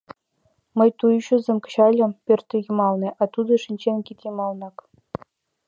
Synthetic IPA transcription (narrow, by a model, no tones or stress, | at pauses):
mɤ̆jt̪ujuɕŭzʲemʲkɘ̥̆ɕɑlʲɤ̆mpʲørʲt̪ʲːɘ̆jumɑlˠniʔɑt̪ud̪ɤ̆ʂinʲt͡ɕenʲkʲit̪ʲimɑlˠnɑk